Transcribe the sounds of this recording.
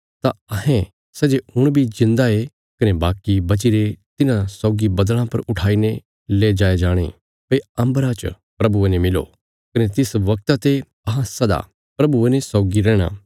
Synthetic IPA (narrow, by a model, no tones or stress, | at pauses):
t̪aɐɦɛ̃ | sɛd͡ʒeʊɽ̃bʱizɪ̃nd̪ae | kɐnebaːkːibɐt͡ʃiɾet̪ɪnãsɔːɡibɐd̪l̃ãpɐɾʊʈʰaːine | leːd͡ʒaːed͡ʒaːɽ̃ḛ | pɐiɐ̃mbɾãt͡ʃ | pɾɐbuenemɪlo̰ | kɐnet̪ɪsʋɐk̚t̪at̪e | ɐɦãsɐd̪a̰ | pɾɐbuenesɔːɡiɾɛːɽ̃ã̰ː